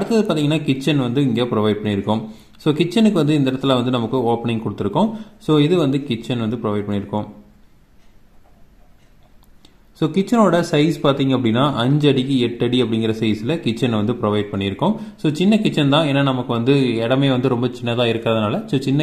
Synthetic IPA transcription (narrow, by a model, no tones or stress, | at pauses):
ɐɽɯt̪ːɐðɯpaːɾt̪iːŋɡɐnːaːkɪt͡ʃːɐnʋɐnd̪ɯɪŋɡeːpɪɾɔʋɐɪɖ̚pɐɳːɪɾɯkːʊ̃m | soːkɪt͡ʃːɐnɯkːɯʋɐnd̪ɯɪnd̪ɐɪɾɐt̪ːɯlãːʋɐnd̪ɯnɐmɐkːɯoːpnɪ̃ŋkɔɽɯt̪ːɪɾɯkːʊ̃soːɪðɯʋɐnd̪ɯkɪt͡ʃːɐnʋɐnd̪ɯpɪɾɔʋɐɪɖ̚pɐɳːɪɾɯkːʊ̃m | soːkɪt͡ʃːɐnoːɽɐsɐɪspaːɾt̪iːŋɡɐp̬ːɐɽɪnːaːʔɐɲd͡ʒɐɽikːɯɛʈːɐɽiɐpːɐɽɪŋɡɪɾɐsɐɪsɪlɐkɪt͡ʃːɐnʋɐnd̪ɯpɾɔʋɐɪɖ̚pɐɳːɪɾɯkːʊ̃soːt͡ʃɪnːɐkɪt͡ʃːɐnt̪ãːeːnːanɐmɐkːɯʋɐnd̪ɯɛɽɐmeːʋɐnd̪ɯɾɔmbɐt͡ʃɪnːɐt̪ãːɪɾɯkːðɐnaːlɐsoːt͡ʃɪnːɐ